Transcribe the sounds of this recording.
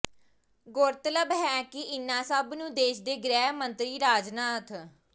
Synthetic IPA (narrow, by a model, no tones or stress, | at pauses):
ɡʊɾt̪ləbɦɛːkɪɪnãːsəbnũːd̪eːʃd̪eːɡɾɛːmənt̪ɾiːɾaːd͡ʒnaːt̪ʰ